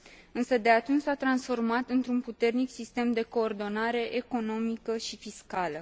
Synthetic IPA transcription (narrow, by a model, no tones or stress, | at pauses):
ɨnsəd̪e̞at̪unt͡ʃʲsat̪ɾansfo̞rmat̪ɨnt̪ɾunput̪e̞rniksist̪e̞md̪e̞ko̞ːrd̪o̞naɾe̞ʔeko̞no̞mikəʃifiskalə